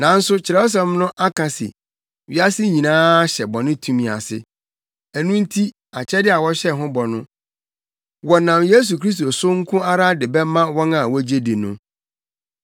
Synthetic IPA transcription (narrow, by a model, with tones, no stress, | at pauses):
nã˨n̩˦sʊ˦t͡ɕʰɪ˨ɾɛ˦o˦s̬a˨˦m˦nʊ̃˦ʔa˦kʰã˨sɪ̰˨ | ɥi˦a˦sɪ˦ɲĩ˨nãː˦ɕɛ˨bɔ̃˨nʊ̃˦tʰũ˦mĩ˨a̰˨sɪ̰˦ | æ˨nũ˦n̩˦tʰi˦ | a˨t͡ɕʰɛ˦dɪ˦a˨wɔ˦ɕɛ˦ɦʊ̃˦bɔ˨nʊ̰̃˦ | wɔ˨nã˨mje˦s̬u˨kʰɾi˦s̬t̪o˨sʊ˦ŋ̩˦kʰʊ̃˦a˦ɾa˦dɪ˨bɛ˦mã˦wɔ̃˦nã˨wɔ˦d͡ʑe˦di˨nʊ̃˦